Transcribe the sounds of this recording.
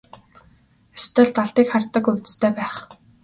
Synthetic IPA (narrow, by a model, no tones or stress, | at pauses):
est̪ə̆ɮt̪aɮt̪iːkχart̪ə̆kɵwʲt̪st̪ʰeːpæːχ